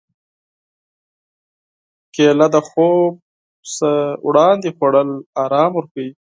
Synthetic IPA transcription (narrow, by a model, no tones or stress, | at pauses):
kelad̪əxob̚ | səwɽɑnd̪exwoɽəlɑɾɑːmwəɾkawi